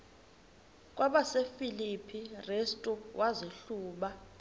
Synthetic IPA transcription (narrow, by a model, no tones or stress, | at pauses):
k̬ʼwaɓasefilipʰirestʼuwʔaziɬuːɓa